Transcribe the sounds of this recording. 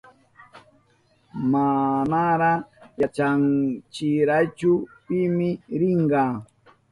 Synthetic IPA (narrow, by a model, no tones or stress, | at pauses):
manaɾajat͡ʃaŋt͡ʃɪɾajt͡ʃʊpɪmɪɾɪŋɢɑ